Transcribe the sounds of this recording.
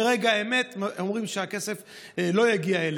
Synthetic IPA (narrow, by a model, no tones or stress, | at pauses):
eʁeɡaeme̞t̪omʁimʃeake̞se̞f | lo̞jaɡiael